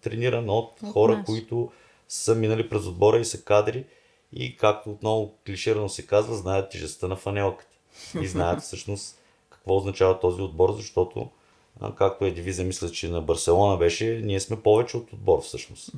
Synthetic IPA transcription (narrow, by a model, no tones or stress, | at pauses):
t̪ɾɛniɾənot̪xɔɾəkoit̪ʊ | səminəlipɾɛzod̪̚bɔɾəisɐkad̪ɾi | ḭkak̚t̪oːt̪nɔvʊkliʃiɾənosɛkazvəznajət̪̚t̪ːʲɛʒɛst̪ənɐfɐnɛlˠkə̥t̪ɛ̥ | iznajət̪fsɤʃnost̪ | kɐ̥kvɔʊznɐt͡ʃavɐt̪ɔziod̪̚bɔɾzɐʃt̪ɔt̪o̰ | kak̚t̪ʊɛd̪ivizəmislʲɐt͡ʃɛnɐbɐɾsɛlˠɔnɐbɛʃɛniɛsmɛpɔvɛt͡ʃɛot̪od̪̚bɔɾfsɤʃno̰st̪